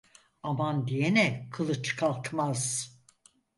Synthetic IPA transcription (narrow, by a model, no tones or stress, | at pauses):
amand̪ijenɛkʰɯlˠɯt͡ʃkʰalˠkmaz̥